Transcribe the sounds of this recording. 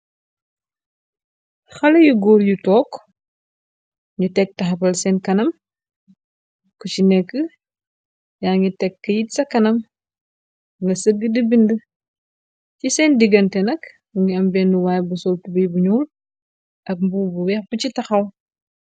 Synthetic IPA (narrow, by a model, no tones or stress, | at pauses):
xɐlɐjuɡɔːɾjutɔːk | ɲutɛk̚tɐxɐpɐlsɛːnkɐnɐm | kucinɛkːə | jaːŋɡitɛkːɐjitsɐkɐnɐm | ŋɡɐsəɡədəbində | cisɛndiɡɐntɛnɐk | ŋɡiɐmbɛnuwaːjbusɔltubijbuɲuːl | ʔɐk̚mbubuwɛxbucitɐxɐw